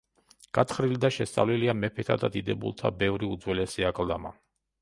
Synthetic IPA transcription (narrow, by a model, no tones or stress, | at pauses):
ɡ̥at̪ʰχɾilid̪aʃɛst̪sʼa̰vliliamɛpʰɛt̪ʰad̪ad̪id̪ɛbṵlˠt̪ʰabɛvɾiud̪zwɛlɛsiakʼlˠd̪ama